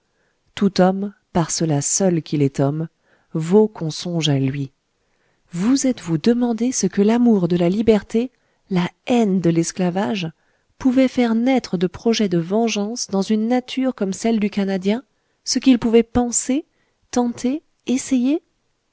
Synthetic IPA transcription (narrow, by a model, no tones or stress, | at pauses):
t̪ut̪ɔmpaʁsəlasœlkʲʰilɛt̪ɔm | vokɔ̃sɔ̃ʒalɥi | vuzɛt̪vud̪əmɑ̃d̪esəkəlamuʁd̪əlalibɛʁt̪e | laɛnd̪əlɛsklavaʒ | puvɛfɛʁnɛt̪χəd̪əpχɔʒɛd̪əvɑ̃ʒɑ̃sd̪ɑ̃zynːat̪ʰyʁkɔmsɛld̪ykanad̪jɛ̃ | səkilpuvɛpɑ̃se | t̪ɑ̃t̪ʰe | eseje